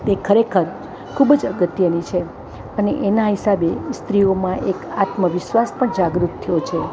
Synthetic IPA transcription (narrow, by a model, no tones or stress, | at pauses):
t̪ekʰəɾekʰəɾ | kʰubəd͡ʒəɡət̪jənit͡ʃʰe | əneʔenaɦisabest̪ɾiomãʔekat̪məʋɪʃʋaspəɳd͡ʒaɡɾut̪t̪ʰːəjot͡ʃʰe